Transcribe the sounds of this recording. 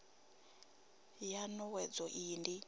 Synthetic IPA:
janɔwɛd͡zɔʔiːndi

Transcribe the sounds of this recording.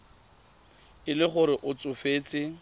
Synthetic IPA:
ɪlɪχʊɾɪʔʊt͡sʼʊfeːt͡sʼɪ

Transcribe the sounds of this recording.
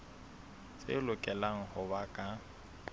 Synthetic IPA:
t͡sʼḛlʊkʼɛlaŋ̩hʊbakʼa

